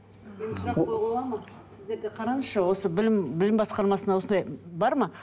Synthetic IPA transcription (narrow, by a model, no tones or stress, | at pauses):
me̞nsʊɾɑqʰːojʁɑlˠɑmɑ | sɪzd̪e̞ɾɡ̪ʲeqʰɑɾɑnəsʃɑwo̞səbɪlɪmbɪlɪmbɑsqɑɾmɑsənɑwo̞sənd̪ɑjbɑɾmɑ